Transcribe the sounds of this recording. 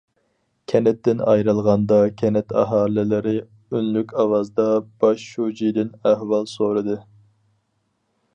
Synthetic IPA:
kʲʰɛnɛt̪ːɪnɑ̰jɾɨlˠʁɑnd̪ɑkʲʰɛnɛt̪ʰɑ̰ɦɑːlɪlɪɾɪ | ynlykʲʰɑwɑzd̪ɑb̥ɑʃʃud͡ʒijd̪ɪnæhwɑlˠsoɾɨd̪ɨ

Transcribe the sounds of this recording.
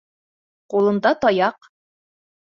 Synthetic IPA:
qulˠɤ̆nd̪ɑt̪ɒjɑq

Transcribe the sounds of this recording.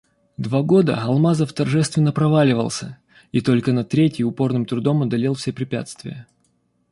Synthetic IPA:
d̪vaɡo̞d̪ə̰ɐlˠmazəft̪ɐrʐɛst̪vʲɪnːəpɾɐvalʲɪvə̰lˠsʲə | it̪o̞lʲkənɐt̪ɾʲetʲɪjʊpo̞rnɨmt̪ɾʊd̪o̞mɐd̪ɐlʲelˠfsʲepɾʲɪpʲæ̰t̪st̪vʲɪ̰jə

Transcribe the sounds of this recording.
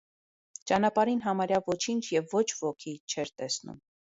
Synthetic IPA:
t͡ʃɑnɑpɑɾinɦɑmɑɾjɑvɔt͡ʃʰint͡ʃʰjɛvːɔt͡ʃʰvɔkʰit͡ʃʰɛɾt̪ɛsnṵm

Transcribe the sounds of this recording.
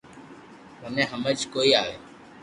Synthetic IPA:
məmẽːɦəməd͡ʒkoːiːaːʋeː

